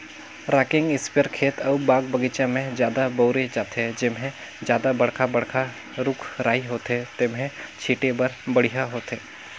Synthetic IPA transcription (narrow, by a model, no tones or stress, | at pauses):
ɾaːkɪ̃ŋɡɪspəɾkʰeːt̪ʰɐbaːɡbɐɡit͡ʃãmẽd͡ʒjaːd̪abɔːɾed͡ʒaːt̪ed͡ʒɪmɦẽ | d͡ʒjaːd̪abɐɽkʰabɐɽkʰa | ɾʊkʰɾaːiɦoːt̪ɦet̪ɪmɦẽt͡ʃʰiːʈebɐɾbɐɽ̤iɦaɦoːt̪ɦeː